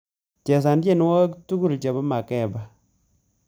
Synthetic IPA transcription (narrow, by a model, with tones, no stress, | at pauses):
t͡ʃɛ˨s̬a˨nt͡ʃe˦˨n˦wɔ˦ktu˦ku˦˨lt͡ʃa˨ba˦ma˨kɛ˦˨ba˨